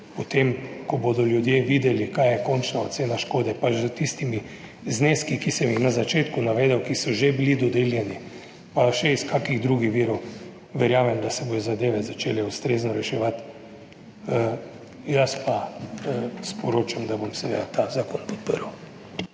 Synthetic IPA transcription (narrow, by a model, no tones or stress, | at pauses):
pɔt̪emkɔbod̪ɔljud̪jeʋiːd̪ɛlikajjɛkɔnt͡ʃnaot̪seːnaʃkoːd̪ɛpat͡ʃzət̪ist̪imi | zneːskikisɛmixnazat͡ʃeːt̪kunaʋeːd̪ɛwkisɔʒebilid̪ɔd̪eːljɛni | paʃɛiskakiɣd̪ɾuɡixʋiːɾɔw | ʋɛɾjaːmɛmd̪asɛboːd̪ɔzad̪eːʋɛzat͡ʃeːlɛust̪ɾeːznɔɾɛʃɛʋat̪ | jaspa | spɔɾoːt͡ʃamd̪abomsɛʋed̪at̪azaːkɔnpɔ̥t̪pəɾəw